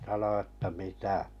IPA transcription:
sɑno ə̆tːæ mitæ

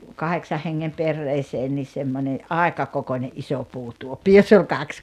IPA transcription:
kɑheksɑh heŋːem perːeːseːn nis̆ semːonʲe ɑˑekɑ kokonʲeʔ ʔiso puːtuopːi josː olʲ kɑks

